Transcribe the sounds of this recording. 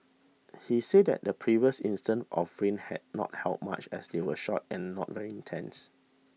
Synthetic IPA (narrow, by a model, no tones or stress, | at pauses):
hiseddɛ̰t̚dəpʰɹiviəsĩnstə̃nɔfɹẽnhɛ̰d̚nɔ̰t̚hɛlp̚ma̰t͡ʃɛ̰sdewəʃɔt̚ɛ̃nːɔ̰t̚vɛɹiĩntʰɛ̃ns